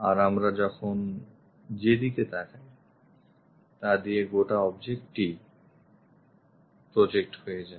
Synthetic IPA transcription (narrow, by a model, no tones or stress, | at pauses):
aɾamɾad͡ʑɔkʰon | d͡ʑed̪iked̪ɛkʰaj | t̪ad̪ieɡoʈaɔbd͡ʑek̚ʈi | pɾod͡ʑek̚ʈhojed͡ʑae